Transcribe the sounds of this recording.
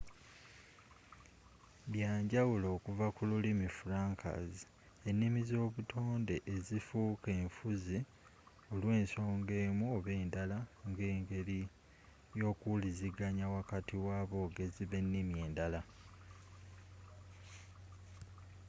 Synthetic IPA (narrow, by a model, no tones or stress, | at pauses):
βjaːɲɟawulo̞ːkuvakululimifuɾaːŋka̰zi | e̞nːimizo̞ːβutʰo̞ːnde̞ʔːzifuːke̞ːɱfuzi | o̞lwe̞ːnso̞ːŋɡe̞ːmuoβe̞ːndalaŋɡe̞ːŋɡe̞li | jo̞ːkuliziɡaɲawakatiwaːβo̞ɡe̞ziβe̞nːimje̞ːndala